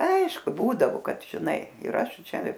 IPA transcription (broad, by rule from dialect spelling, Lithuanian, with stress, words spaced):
ˈɐɪʃkʊ ˈbuːdɐʋoː ˈkɐt ʒʲɪˈnɐɪ ɪr ˈɐʃ ˈt͡ʃʲɛ